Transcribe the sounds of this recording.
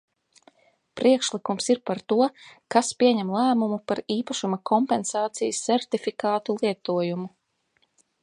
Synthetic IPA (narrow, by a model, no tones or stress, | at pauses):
pɾʔiɛkʃlikumsiɾpaɾt̪uɔkaspʲiɛɲɛmlˠæːmumupaɾiːpaʃumakʰɔmpɛnsɑːt̪sijsːɛɾt̪ifikaːt̪ulˠiɛt̪uɔjumu